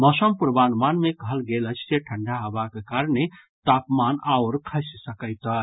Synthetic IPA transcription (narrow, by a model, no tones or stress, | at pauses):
mɔsəmpuɾbanmanmekəɦəlɡelət͡ʃʰseʈʰəɳɖʱaɦobakekaɾne | t̪apmanauɾkʰəssəkəjt̪ə